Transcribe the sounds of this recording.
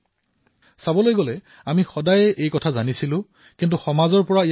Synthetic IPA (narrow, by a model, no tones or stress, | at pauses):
sabɔlojɡolɛ | amixɔdajɛʔejkɔtʰazanisilʊ̃ | kintuxɔmazɔɹpɔɹaij